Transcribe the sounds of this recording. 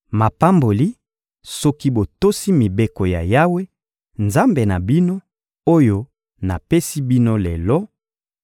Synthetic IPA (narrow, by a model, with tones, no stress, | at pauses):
ma˨pa˦mbo˨li˦ | sɔ˦ki˦bo˨to˦si˦mi˨be˦ko˨ja˨ja˦we˦ | nza˦mbe˨na˨bi˦no˦ | o˦jo˦ | na̰˨pe˦si˦bi˦no˦le˨lɔ˦